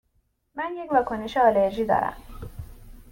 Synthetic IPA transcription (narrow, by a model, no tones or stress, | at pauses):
mænjecvɒːkʰoneʃeɒleɾʒiːd̪ɒ̰ːɾæ̰m